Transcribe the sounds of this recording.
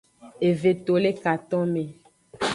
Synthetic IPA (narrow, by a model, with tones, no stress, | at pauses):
e˨ve˨t̪o˨le˦ka˨t̪ɔ̃˦me˨